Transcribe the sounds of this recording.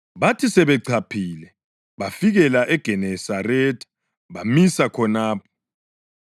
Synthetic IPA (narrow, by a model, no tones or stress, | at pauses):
βatʰisɛβɛǀʰapʰiːlɛ | βafiɣɛlaʔɛɡ̥ʱɛnɛsarɛtʰʼḁ | βamisakʰɔnaːpʰɔ̥